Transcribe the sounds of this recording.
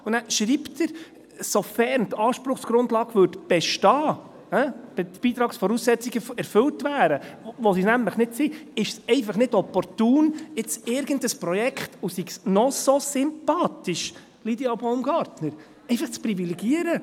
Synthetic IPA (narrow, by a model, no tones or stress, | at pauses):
unæʃɾiːptəɾ | sofɛɾntɑːʃpɾʊχsɡ̥ɾʊndlɑːɡʋøɾtb̥ɛʃtɑː | hæb̥b̥iːt̪ɾɑːksfɔɾuːsːɛt͡siɡəɛɾfɵltʋæːɾəʋosisnæmləχnɪtsiɪʃsɛɪfɑχnɪdɔpɔɾtuːnɪt͡sɪɾɡəndəspɾɔjɛkχtusiɡsnɔsosʏmpɑːtiʃ | lidioboʊmɡɑɾtnəɾ | ɛɪfɑχt͡spɾivilɛɡiəɾə